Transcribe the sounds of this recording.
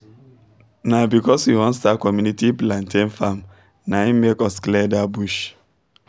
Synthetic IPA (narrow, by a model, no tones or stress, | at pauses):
nabikɔshiwɔ̃nstakɔmjunitiplãntẽnfam | naimekɔsklɛdabuʃ